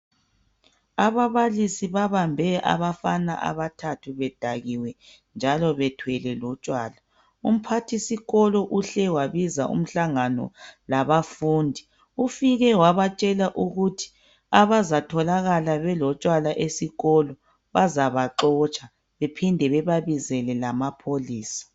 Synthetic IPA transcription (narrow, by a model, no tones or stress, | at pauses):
aβaβalisiβaβambʱɛʔa̰βafana̰ʔa̰βatʰatʰuβɛd̥ʱaɣiwɛ | nd͡ʒʱalɔβɛtʰwɛlɛlɔt͡ʃʼwaːla | um̩pʰatʰisiɣɔlɔʔuɬɛwaβizaʔṵm̩ɬaŋanɔ̰laβafuːndʱi | ufiɣɛwaβat͡ʃʼɛlaʔuɣutʰi̥ | aβazatʰɔlaɣalaβɛlɔt͡ʃʼwalaʔesiɣɔlɔ | βazaβaǃɔt͡ʃʼa | βepʰindʱɛβɛβaβizɛlɛlamapʰoliːsḁ